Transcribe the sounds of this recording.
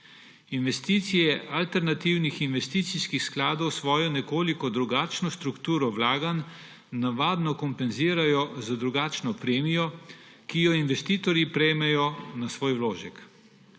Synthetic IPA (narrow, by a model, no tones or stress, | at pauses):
inʋɛst̪iːt̪sijɛʔalt̪ɛɾnat̪iwnixinʋɛst̪iːt̪siskixsklaːd̪ɔwsʋɔːjɔnɛkoːlikɔd̪ɾuɡaːt͡ʃnɔst̪ɾukt̪uːɾɔwlaːɡanː | aʋaːd̪nɔkɔmpɛnziːɾajɔzad̪ɾuɡaːt͡ʃnɔpɾeːmijɔ | kijɔinʋɛst̪iːt̪ɔɾjipɾɛjmɛjɔnasʋoːjwloːʒɛk